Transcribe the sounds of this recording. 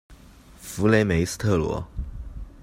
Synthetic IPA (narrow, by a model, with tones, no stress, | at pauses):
fu˧˥le˧˥ɪme˧˥ɪs̩˥t̪ʰɤ˥˩lwɔ̰˧˥